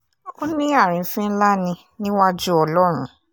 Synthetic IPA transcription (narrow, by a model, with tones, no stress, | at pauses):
o˦nĩ˦a˦˨ɾ̃ĩ˨˧˦sĩ˦n̩˦la˦nĩ˧ | nĩ˦wa˦d͡ʒu˦ɔ˧lɔ˦ɾ̃ũ˦